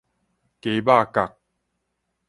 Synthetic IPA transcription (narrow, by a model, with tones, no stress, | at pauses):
ke˨˦ba˥˦˨ka˨k̚